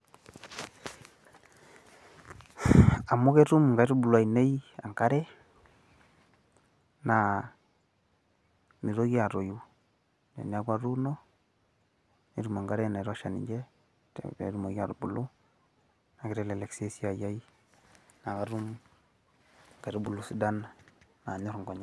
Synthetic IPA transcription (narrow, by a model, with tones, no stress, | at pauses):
a˨mu˦ke˦ɾu˦mŋɡa˦jɾʊ˦bʊ˨lwa˨ine˦ja̰˨ŋɡa˦ɾɛ˦ | na˨ | ni˨ɾo˦ɣi˦a˨ɾo˨ju˨ | nḛ˨ni˦a˦ka˦ɾu˦nɔ˦ | ne˨ɾu˦ma˨ŋɡa˦ɾɛ˦na˨i˨ɾa˦ʃa˨nḭ˨d͡ʒɛ˦ | tḛ˨˦ɾu˦mo˨ɡi˦a̰˨ɾu˨bu˨lu˦ | na˨kɪ˦ɾɛ˦le˨lɛ˨kse˦si˦a˨ja˦i˦ | na˨ka˨ɾu˦m | ŋɡa˨ɾo˦bu˨lu˦si˦da˦nna˨ɲɔ˦ɾŋɡɔ˨ɲa˦